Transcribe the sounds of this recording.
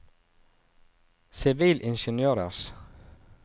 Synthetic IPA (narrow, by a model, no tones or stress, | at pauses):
sɪʋiːlʔɪnʃənjøːɾə̰s